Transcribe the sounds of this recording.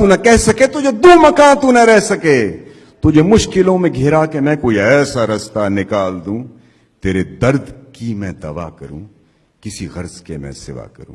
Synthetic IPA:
t̪unakɛɦsɐket̪ʊd͡ʒed̪oːmɐkãːt̪unɐɾɛɦsɐkeː | t̪ʊd͡ʒʱemʊʃkɪlõmẽɡʱɪɾakemɛ̃koːiɛːsaɾɐst̪anɪkaːld̪ũː | t̪eːɾed̪ɐɾd̪kimɛ̃d̪ɐʋa̰ːkɐɾṵ̃ː | kɪsiɣɐɾzkemɛ̰̃sɪ̰ʋa̰kɐ̰ɾũː

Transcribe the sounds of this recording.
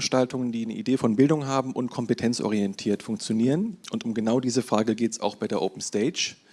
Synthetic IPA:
ʃtaltʊŋəndiːnə̰ʔḭdeːfɔnbɪldʊŋɦaːbm̩ʔʊntkʰɔmpətʰɛnt͡sʔɔ̰ʁ̞iɛntʰiːɐtfʊŋkt͡sjoniːʁ̞ənʔʊntʊmɡənaʊdiːzəfʁ̥aːɡəɡeːtsa̰ʊxb̥aɪdeːɐʔoːpn̩steɪd͡ʒ

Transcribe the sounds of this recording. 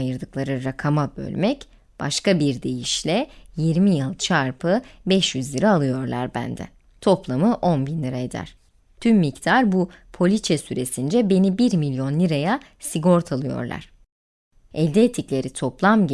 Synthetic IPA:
jɯɾd̪ɯklˠaɾɯɾakʰamabø̞̰lʲmɛc | b̥aʃkabiɾd̪e̞jiʃlʲɛjiɾmijɯlˠt͡ʃʰaɾpʰɯbɛʃjyzlʲiɾaːlˠɯjo̞ɾlˠa̰ɾbæ̰nd̪ɛ̰ | t̪ʰo̞plˠamɯʔo̞nbinlʲiɾaed̪æ̰ɾ̥ | t̪ʰymːict̪ʰaɾbupʰo̞lʲit͡ʃʰɛsyɾe̞sind͡ʒɛbe̞nibiɾmilʲjo̞nlʲiɾaja | siɡo̞ɾt̪ʰalˠɯjo̞̰ɾlˠa̰ɾ̥ | ɛlʲd̪eːt̪ʰiclʲe̞ɾit̪ʰo̞plˠamɟ

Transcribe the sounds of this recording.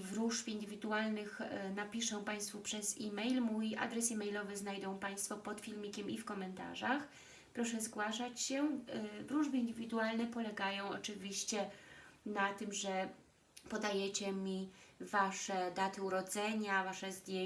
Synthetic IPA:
vɾuʐfʲind̪ɘvʲid̪ualnɘxnapʲiʂɔ̃w̃paj̃st̪fupʂɛzimɛjlmuja̰d̪ɾɛsimɛjlɔvɛznajd̪ɔ̃w̃paj̃st̪fɔpɔt̪fʲilmʲikʲɛmifkɔmɛnt̪a̰ʐax | pɾɔʂɛzɡwaʂat͡ɕɕɛvɾuʐbɘind̪ɘvʲid̪ualnɛpɔlɛɡajɔ̃w̃ɔ̰t͡ʂɘvʲiɕt͡ɕɛnat̪ɘmʐɛ | pɔd̪ajɛt͡ɕɛmʲivaʂɛd̪at̪ɘuɾɔd̪zɛɲavaʂɛzd̪ʲj

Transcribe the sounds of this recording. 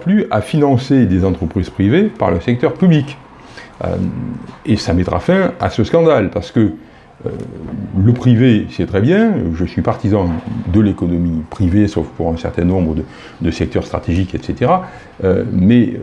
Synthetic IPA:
plyafinɑ̃sed̪ezɑ̃t̪χəpχiz̥pχivepa̰ʁləsɛk̚t̪œʁpyblik | esamɛt̪ʁa̰fɛ̃a̰səskɑ̃d̪alpaʁsə̥kə | ø̰ | ləpχivesɛt̪χɛbjɛ̃ʒəsɥipaʁt̪izɑ̃d̪əlekɔnɔmipχivesɔfpuʁɛ̃sɛ̰ʁt̪ɛ̃nɔ̃bʁəd̪ə | d̪əsɛk̚t̪œʁst̪χa̰t̪eʒikɛt̪set̪eʁa | ømɛ

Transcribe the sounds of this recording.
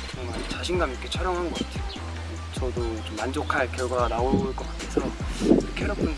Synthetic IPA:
kʌŋmant͡ɕaɕʰinɡamikʰet͡ɕʰʌɾjʌŋɦanɡʌk͈atʰe̞jo | t͡ɕʌdot͡ɕomːand͡ʑokʰaɭkjʌɭɡwanaoɭk͈ʌk͈atʰe̞sʰʌkʰeeɾʌpʰɯn

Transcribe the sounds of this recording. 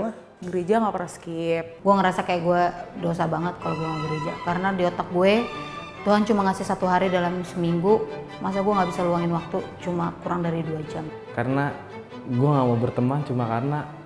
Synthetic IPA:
lah | ɡəɾed͡ʒaŋapəɾaskip̚ɡuaŋəɾasakajaʔɡuadosabaŋət̪̚kaloɡuaŋaɡəɾed͡ʒakaɾənadiɔt̪ak̚ɡuɛ | t̪uɦant͡ʃumaŋasɪsat̪uɦaɾidalamsəmiŋɡu | mas̬aɡuaŋɡabisaluaŋɪnwak̚t̪ut͡ʃumakuɾaŋdaɾiduad͡ʒam | kaɾəna | ɡuaŋamabərt̪əmant͡ʃumakarəna

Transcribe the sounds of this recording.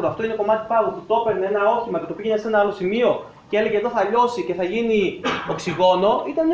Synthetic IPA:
ɾoɐft̪o̞ine̞komɐt̪i̥pɐvut̪it̪o̞pe̞ɾneenɐo̞çimɐce̞t̪o̞piʝeɲɐse̞nɐɐlo̞simio̞ | cee̞le̞ʝeðo̞θɐʎo̞sice̞θɐʝinioksiɣo̞no̞it̪ɐn

